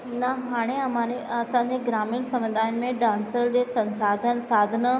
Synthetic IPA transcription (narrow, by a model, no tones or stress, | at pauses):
nəɦaːɽ̃eɐmaɾeɐsãɲd͡ʑeɡɾaːmiːɳsɐ̃med̪ʱaːjənmẽɖãːnsəɾd͡ʑeːsɐ̃nsaːd̪ʱənsaːd̪ʱənə